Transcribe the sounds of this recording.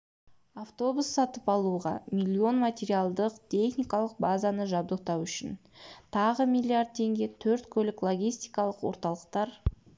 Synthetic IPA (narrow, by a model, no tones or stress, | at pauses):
aft̪o̞busːɑt̪əpɑlˠuʁɑmʲilʲːio̞nmat̪ʲe̞ɾijalˠd̪əqt̪ʲʰe̞χnijkɑlˠəq̚bazanəʒɑb̚d̪əq̚t̪ɑwʏʃɪ̰nt̪ʰɑʁəmʲijlʲˠiaɾd̪̚t̪ʰe̞ŋɡʲe̞t̪ʰɵɾt̪kʲʰɵlɪklˠo̞ɡʲijst̪ijkɑlˠəqwo̞ɾt̪ɑlˠəq̚t̪ɑɾ